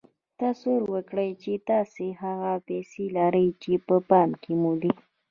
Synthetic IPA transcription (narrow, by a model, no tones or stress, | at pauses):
t̪asoɾwəkɽəjt͡ʃet̪ɑseɦaɣapɛselaɾəjt͡ʃepəpɑmkemud̪i